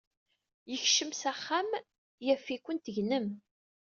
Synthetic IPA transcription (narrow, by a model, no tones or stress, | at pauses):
jəçʃəmsæχːam | jæfːikʷːənt̪əʝnəm